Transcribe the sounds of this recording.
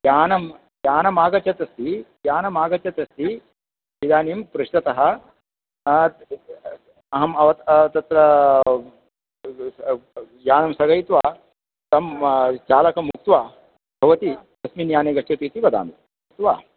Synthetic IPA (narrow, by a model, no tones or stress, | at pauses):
jaːnɐm | jaːnɐmaːɡɐt͡ʃɐt̪ɐst̪ijaːnɐmaːɡɐt͡ʃɐt̪ɐst̪i | id̪aːnimpɾuʃʈɐt̪ɐɦɐ̆ | ɐɦɐmɐʋɐt̪t̪ɐt̪ɾɐ | jaːnɐmsɐɡɐjt̪ʋaː | t̪ɐmt͡ʃaːlɐkɐmuk̚t̪ʋaː | bʱɐʋɐt̪it̪ɐsminjaːneːɡɐʂt͡ʃːɐpiːt̪iʋɐd̪a̰ːmi | ɐt̪ʋa̰ː